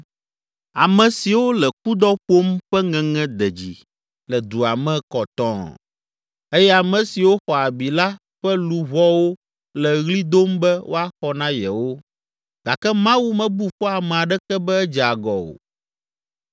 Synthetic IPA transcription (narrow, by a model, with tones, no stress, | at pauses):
a˨mɛ̃˨si˨wo˦lɛ˨ku˦d̪ɔ˦ɸo˦mɸɛ˦ŋɛ̃˨ŋɛ̃˦d̪ɛ˨d͡ʑḭ˨ | lɛ˨d̪u˨a˨mɛ̃˦kɔ˨t̪ɔ̰̃˦ | e˦jɛ˦a˨mɛ̃˨si˨wo˦xɔ˨a˨bi˨la˦ | ɸɛ˦lu˨βɔ˦wo˦ | lɛ˨ɣli˦d̪o˦mbɛ˦wʔo̰˦a˦xɔ˨nã˦jɛ̰˨wo˦ | ɡ̥a˨kɛ˦mã˦wu˦mɛ̃˨bu˦ɸɔ˦a˨mɛ̃˨a˨ɖɛ˦kɛ˦bɛ˦ɛ˦d͡ʒa˨ɡɔ̰˨o̰˨